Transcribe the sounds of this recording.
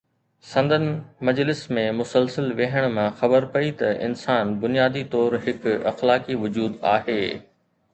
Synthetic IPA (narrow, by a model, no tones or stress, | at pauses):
sɐ̃nd̪ʱənɪmɐd͡ʑlɪsmẽmʊsəlsəlʋeɦəɽ̃mãxɐbəɾpɐit̪ɐɪ̰nsaːnbʊnijaːd̪it̪ɔːɾɦɪkɐ̰xlaːkiʋʊd͡ʑuːd̪a̰ːɦeː